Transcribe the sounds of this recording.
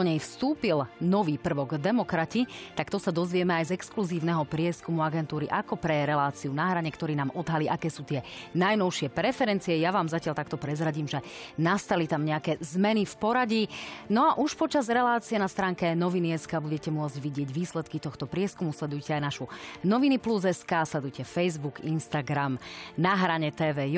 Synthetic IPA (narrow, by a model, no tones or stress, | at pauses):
ɔɲɛjfst̪uːpilnɔʋiːpr̩ʋɔɡd̪ɛmɔkɾacit̪akt̪ɔsad̪ɔzʋɪɛmɛajzɛkskluziːʊnɛɦɔpɾɪɛskumuaɡɛnt̪uːɾiʔakɔpɾɛɾɛlaːt͡siunaɦɾaɲɛkt̪ɔɾiːnaːmʔɔd̪ɦaliʔakɛːsuːt̪ɪɛnajnɔʊʃɪɛpɾɛfɛɾɛnt͡siɛjaʋaːmzacɪalt̪akt̪ɔpɾɛzɾaɟiːmʒɛnast̪alit̪amɲɛakɛzmɛnifpɔɾaɟinɔaʔuʃpɔt͡ʃazɾɛlaːt͡siɛnast̪ɾaːŋkɛnɔʋiniɛskaːbuɟɛcɛmʊɔd͡zɟʋiɟɪɛɟʋiːslɛt̪kit̪ɔxt̪ɔpɾɪɛskumuslɛd̪ujcɛajnaʃunɔʋinipluzɛskaːslɛd̪ujcɛfɛjzbukinst̪aɡɾamnaɦɾaɲɛt̪ɛːʋɛːj